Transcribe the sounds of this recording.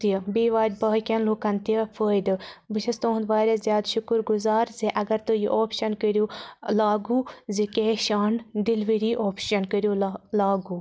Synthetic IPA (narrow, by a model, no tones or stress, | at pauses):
t̪iɐbiːʋaːd͡ʒʲbɐːkʲɐnluːkɐnt̪iɐpʰəːjd̪ɨbɨʃɐst̪õːnd̪ʋaːɾʲɐzjaːd̪ʃʊkɾɡuzaːɾzeʔɐɡɐɾt̪ɨjiʔoːpʃɐnkəɾjuːlaːɡuzekeːʃaːnd̪ilʋiɾiːʔoːpʃɐnkəɾjulaːɡuː